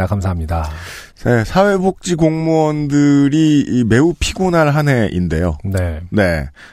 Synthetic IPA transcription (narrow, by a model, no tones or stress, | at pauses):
akʰamsʰaɦamɲida | sesʰawe̞bok̚t͡ɕ͈iɡoŋmuʌndɯɾiːme̞upʰiɡonaɭɦane̞ʔḭnde̞̰jo̰nene̞